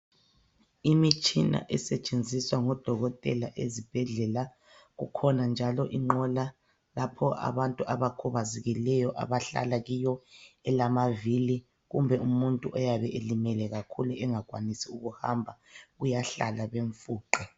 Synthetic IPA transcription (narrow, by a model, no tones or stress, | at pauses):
imit͡ʃʼina̰ʔɛsɛt͡ʃʼend͡zʱiswaŋɔd̥ʱɔɣɔtʼɛ̰laʔḛzib̥ʱɛɮɛla | ɣṵkʰɔnand͡ʒʱalɔʔiŋ͡ǃɔla | lapʰɔʔa̰βantʼuʔaβakʰuβazɛɣilɛjɔʔa̰βaɬa̰laɣijɔɛlamavili | ɣumbʱɛumuntʼuʔɔjaβɛʔelimɛlɛɣakʰuluʔɛŋakʼwanisiuɣuhambʱaɣujaɬa̰laβeɱfuːǃɛ